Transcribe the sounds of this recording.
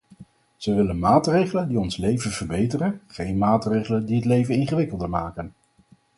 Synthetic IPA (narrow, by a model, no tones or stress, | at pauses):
z̥əʋɪlənmaːtrejχələndiɔnslejvəv̥əɹbejtərənχejnmaːtrejχələndiɦətlejvənɪnχəʋɪkəlˠdəɹmaːkən